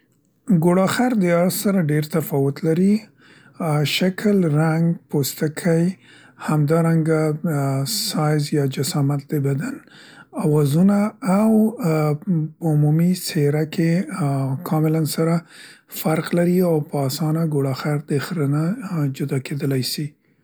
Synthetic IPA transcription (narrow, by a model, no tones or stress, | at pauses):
ɡoɽɑxaɾd̪əɑɾssaɾaɖeɾt̪afɑwʊt̪laɾi | ʃakʰəlɾaŋɡpost̪akʰaj | hamd̪ɑɾaŋɡa | sɑjzjɑd͡ʒasɑmat̪̚d̪əbad̪anawɑzunaːw | pəʊmumiseɾakʰe | kʰɑmɪlansaɾa | faɾqlaɾiawpəɑsɑnaɡoɽɑxaɾd̪əxɾənad͡ʒʊd̪ɑkʰed̪əlajsi